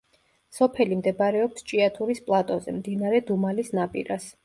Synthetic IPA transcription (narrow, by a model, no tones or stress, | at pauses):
sɔpʰɛlimd̪ɛbaɾɛɔpst͡ʃʼiat̪ʰuɾispʼlˠat̪ʼɔzɛmd̪inaɾɛd̪umalisnapʼḭɾas